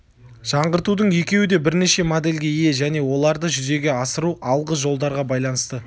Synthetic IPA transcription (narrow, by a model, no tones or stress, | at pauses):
ʒ̥ɑɴʁəɾt̪ud̪əɴje̞kʲe̞wɪd̪e̞bɪɾne̞ʃe̞mod̪e̞lʲɡʲe̞ije̞ʒæne̞wo̞lˠɑɾd̪əʒʏze̞ɡʲe̞ɑsəɾuʔɑlˠʁəʒo̞lˠd̪ɑɾʁɑbɑjlˠɑnəst̪ə